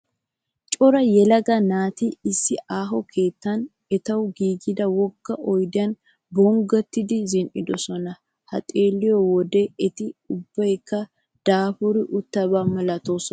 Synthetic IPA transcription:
t͡ʃʼɔɾɐjɛlɐɡɐnaːt̪ɪɪsːɪʔaːɦɔkʰeːt̪ːɐn | ɛt̪ɐwɡiːɡɪd̪ɐwɔkːɐʔɔjd̪ɪɐn | bɔŋɡɔt̪ːɪd̪ɪzɪnʔɪd̪ɔsɔnɐ | hɐ̰t̪ʼe̞ːlːɪjɔwɔd̪ɛɛt̪ɪʊbːɐjkːɐ | d̪̥aːfʊɾɪʔʊt̪ːɐbamɐlɐt̪oːsɔ

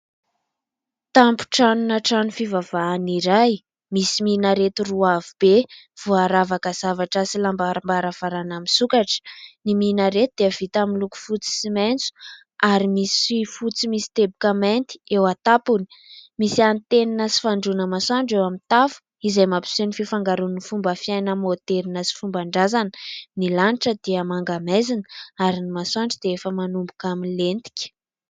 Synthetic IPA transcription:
t̪ampu̥ʈ͡ʂanunaʈ͡ʂanufivav̥aːniɾaj | misiminaɾet̪uruavub̥e | v̥uaɾavakəz̥avaʈ͡ʂəsilambaɾambaɾafaɾanaminsukaʈ͡ʂə̥niminəɾet̪ud̪eəvit̪aminluku̥fut͡si̥siment͡su̥ | aɾimisi̥ifut͡simisi̥t̪ebukament̪i̥ewat̪apuni̥misiant̪eninəsi̥faɳɖ͡ʐunəmaswaɳɖ͡ʐewamint̪afu̥ | izajmapi̥senififaŋɡaɾunifumbəfiajnəmot̪eɾinasi̥fumbaɳɖ͡ʐazanənilaniʈ͡ʂəd̪iəmaŋɡamezinəaɾinimaswaɳɖ͡ʐid̪̥eefəmanumbukaminlent̪i̥kʲə̥

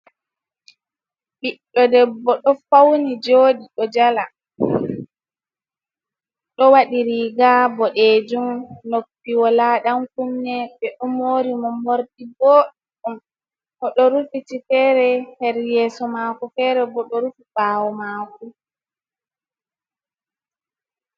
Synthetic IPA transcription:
ɓiɗːɔdɛbɔɗɔfawnid͡ʒoːɗiɗɔd͡ʒala | ɗɔwaɗiɾiːɡabɔɗed͡ʒumnopːiwɔlaɗamkumnɛɓɛɗɔmoːɾimɔmoɾdibɔːɗ | um | kɔɗɔɾufitifɛːɾɛhɛɾjɛːsɔmaːkɔfɛɾɛbɔɗɔɾufibaːwɔmaːku

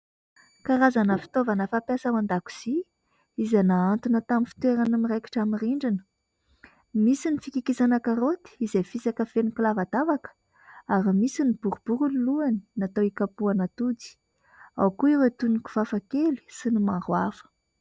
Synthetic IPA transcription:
kaɾazanəfi̥t̪ovanəfapjasəmand̪aku̥z̥i | izanaant̪unət̪aminfi̥t̪weɾanamirejki̥ʈ͡ʂamiriɳɖ͡ʐinə̥ | misinifikikisanakaɾot̪i̥izefisakəfenikulavad̪avakə̥ | aɾimisinib̥uɾub̥uɾuliluani̥nat̪owikapuanat̪ud͡zi̥ | a̰wkuiwet̪uniku̥fafakeli̥sinimaɾwafə̥

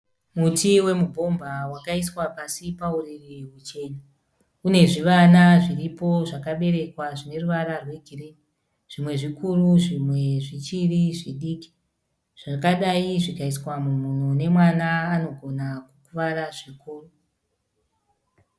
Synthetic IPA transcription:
mutiwe̞mubʱo̞mbʱawakaiswapasipauririɦut͡ʃe̞na | une̞ʐiʋanaʐiripo̞ʐakaɓe̞ɾe̞kwaʐine̞ruʋaɾarwe̞ɡʱireni | ʐ̥imwe̞ʐikuruʐimwe̞ʐit͡ʃiriʐiɗiːki̥ | ʐ̥akaɗaiʐikaiswamumunone̞mwanaːno̞ɡʱo̞nakukuʋaɾaʐikʰoːro

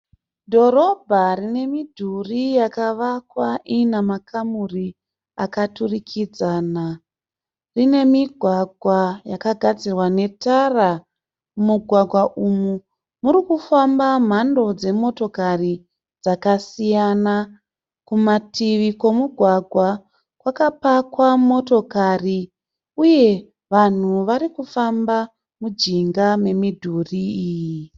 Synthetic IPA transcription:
dʱo̞ɾo̞bʱarine̞midʱurijakaʋakwaʔinamakamuri | akaturikʰid͡zaːna | rine̞miɡʱwaɡʱwajakaɡʱad͡zirwane̞tara | muɡʱwaɡʱwaʔumu | muɾikufambam̤ando̞d͡ze̞mo̞to̞kari | d͡zakasijana | kumatiʋiko̞muɡʱwaɡʱwa | kwakapakwamo̞to̞kari | uje̞ | ʋan̤uʋaɾikufamba | mud͡ʒiŋɡame̞midʱuriːji

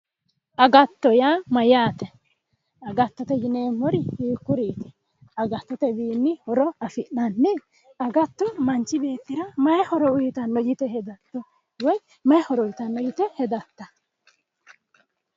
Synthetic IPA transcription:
ʔɐɡɐt̪ːɔjaːmɐjaːt̪ɛ | ɐɡɐt̪ːɔt̪ɛd͡ʒɪneːmːɔɾɪhiːkːʊɾiːt̪ɛ̥ | ɐɡɐt̪ːɔt̪ɛbiːnːɪhɔɾɔɐfɪʔnɐnːɛ | ɐɡɐt̪ːɔmɐnt͡ʃːɪbe̞ːt̪ːɪɾɐmɐjɛhɔɾɔʊjɪt̪ɐnːɔjɪt̪ɛhɛd̪ɐt̪ːɔ | wɔj | mɐjhɔɾɔʊjɪt̪ɐnːɔjɪt̪ɛhɛd̪ɐt̪ːɐ

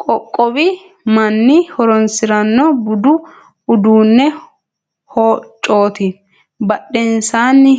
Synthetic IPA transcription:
kʼɔkʼːɔbɪ | mɐnːɪhɔɾɔnsɪɾɐnːɔbʊd̪ʊ | ʊd̪uːnːɛ | hoːt͡ʃʼːoːt̪ɪ | bɐɗːɛnsaːnːɪ

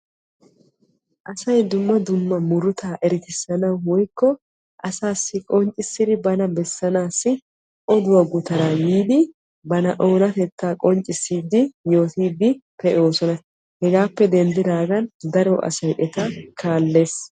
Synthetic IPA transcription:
ʔɐsɐjd̪ʊmːɐd̪ʊmːɐmʊɾʊt̪aːʔɛɾɪt̪ɪsːɐnɐwwɔjkːɔ | ʔɐsaːsːɪkʼɔnt͡ʃʼːɪsːɪd̪ɪbɐnɐbɛsːɐnaːsːɪ | ʔɔd̪ʊwɐɡʊt̪ɐɾaːjiːd̪ɪ | bɐnɐʔo̞ːnɐt̪ɛt̪ːaːkʼɔnt͡ʃʼɪsːiːd̪ɪjo̞ːt̪iːd̪ɪpɛʔo̞ːsɔnɐ | hɛɡaːpːɛd̪ɛnd̪ɪd̪aːɡɐnd̪ɐɾɔʔɐ̰sɐjʔɛt̪ɐkʰaːlːe̞ːs

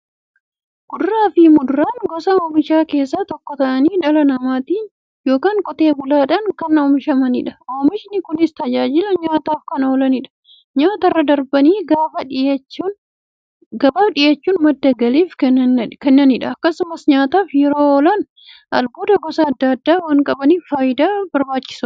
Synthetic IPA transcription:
ɡ̥ʊd̪ʊɾaːfɪmʊd̪ʊɾaːnɡɔsɐoːmɪʃaːke̞ːs̬ːaːt̪ɔkːɔt̪ɐʔɐniːᶑɐlɐnɐmaːt̪iː | jo̞ːkaːŋkʼɔt̪e̞ːbʊlaːᶑɐnkɐnoːmɪʃɐmɐnɪᶑɐ̥oːmɪʃnɪkʊnɪst̪ɐd͡ʒaːd͡ʒɪlɐɲaːt̪aːfkɐnoːlɐnɪᶑɐ̥ | ɲaːt̪ɐrːɐd̪ɐɾbɐniːɡaːfɐᶑɪɐt͡ʃːuːn | ɡɐbaːfᶑɪjɐt͡ʃːuːnmɐd̪ːɐɡɐliːfknkɛnːɐnɪᶑɐɐkːɐsʊmɐsɲaːt̪aːfjɛɾoːɔlɐn | ɐ̰lboːd̪ɐɡɔsɐɐd̪ːɐd̪ːaːwaːŋkʼɐbɐniːfaːjɪd̪aːbɐɾbaːt͡ʃːɪ̥sʊ

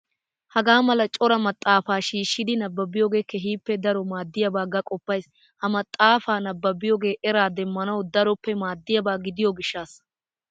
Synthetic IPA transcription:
hɐɡaːmɐlɐt͡ʃʼɔɾɐmɐt̪ʼːaːfaːʃiːʃːɪd̪ɪnɐbːɐbɪjoɡe̞ːkɛɦiːpːɛd̪ɐɾɔmaːd̪ːɪjɐbaːɡɐkʼɔpːɐjs | hɐmɐt̪ʼːaːfaːnɐbːɐbɪjɔɡe̞ːʔɛɾaːd̪ɛmːɐnɐwd̪ɐɾɔpːɛmaːd̪ːɪjɐbaːɡɪd̪ɪjɔɡɪʃːaːs

